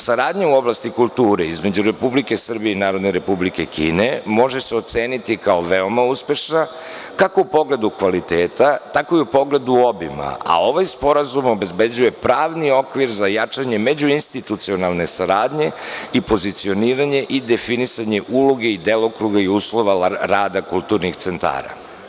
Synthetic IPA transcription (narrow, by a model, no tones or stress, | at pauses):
saɾaːd̪ɲauo̞blast̪ikulˠt̪uːɾeizme̞d͡ʑuɾe̞publike̞sr̩bijeinaːɾo̞d̪neɾe̞publike̞kʰḭːne̞mo̞ʒeseot̪seːnit̪ikao̞ʋeo̞mauspe̞ʃna | kako̞upo̞ɡle̞d̪ukʋalit̪eːt̪at̪ako̞iupo̞ɡle̞d̪uobḭma̰a̰o̞ʋajspo̞ɾazumo̞be̞zbe̞d͡ʑuje̞pɾaːʋnio̞kʋiɾzajat͡ʂaɲe̞me̞d͡ʑuinst̪it̪ut̪sio̞nalˠne̞saɾaːd̪ɲe̞ipo̞zit̪sio̞niːɾaɲe̞ʔid̪e̞finisaɲe̞ʔuloɡe̞id̪elokɾuɡaiuslˠo̞ʋaɾaːd̪akulˠt̪uɾnixt̪se̞nt̪a̰ːɾa̰